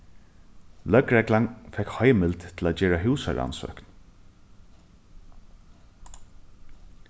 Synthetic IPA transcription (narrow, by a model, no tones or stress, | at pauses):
lœkɾɛklaŋfɛkhɔjmɪlt̪t̪ʰːɪlaːd͡ʒeːɹaɦʉːsa̰ɹa̰nsœ̰ːkn